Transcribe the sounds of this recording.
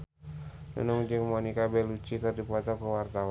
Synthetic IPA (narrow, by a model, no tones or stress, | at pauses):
nə̰nɔŋd͡ʒɨŋmɔnikabɛlut͡ʃik̪ərdipat̪ɔkəwart̪aw